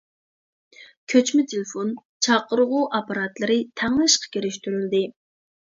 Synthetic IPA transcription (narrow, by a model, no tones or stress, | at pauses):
kʲʰøt͡ʃmɪt̪ʰelɪfon | t͡ʃʰɑqːəɾʁʊʔɑpɑɾɑt̪lˠɨɾɪt̪ʰɛŋlɪʃqʰɑ̥kʲʰeɾɪʃt̪yɾyld̪ɪ